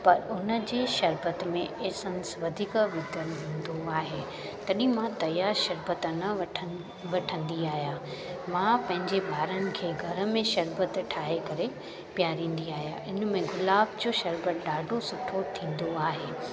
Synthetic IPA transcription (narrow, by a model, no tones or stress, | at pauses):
pɐɾʊnə̆d͡ʑeːʃɐɾbət̪mẽʔeːsɐ̃nəsʋɐd̪ʱiːkʋɪd̪ənɦĩːn̆d̪oaːɦeː | t̪ɐɗĩmãt̪ɐjaːɾʃɐɾbət̪nɐɐ | ʋɐʈʰə̃nd̪iaːɦijaːmãpɐ̃ɦɪ̃ɲd͡ʑebʱaːɾənɪ̆kʰeːɡʱɐɾə̆mẽʃɐɾbət̪ʈʰaːɦekɐɾe | pijaːɾĩːn̆d̪iaːɦija̰ːʔɪnəmẽɡʊlaːbd͡ʑoːʃɐɾbət̪ɗaːɖʱosʊʈʰot̪ʰĩːn̆d̪oaːɦeː